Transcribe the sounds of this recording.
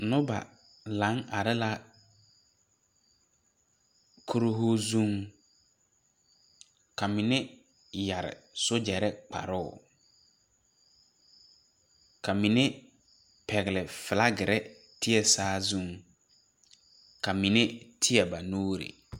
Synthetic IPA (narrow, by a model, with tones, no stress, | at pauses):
nʊ˦ba̰˨ | lã˨˦ŋa˨ɾɪ˦la˦ | kʰo˦ɾo˦ɦo˦zũ˦ŋ | kʰa˨mɪ˨nɪ˦ | ja˨ɾɪ̰˨sʊ˦d͡ʒɛ˨ɾɛ˦k͡pʰa̰˨ɾʊ˦ʊ̰˨ | kʰa˨mi˨ne˦ | pʰɛ˨ɣɪ˨lɪ˨fɪ˨la˦ɡɪ˨ɾɛ˦ | tʰɪ˦ɛ˨saː˦zũ˦ŋ | ka˨mi˨ne˦tʰɪ˦ɛ˨ba˨noː˦ɾḛ˨